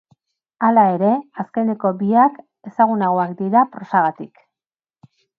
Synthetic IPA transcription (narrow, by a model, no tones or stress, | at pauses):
alae̞ɾe̞aske̞ne̞ko̞biak | e̞saɣ̞unaɣoakd̪iɾapɾo̞saɣat̪ik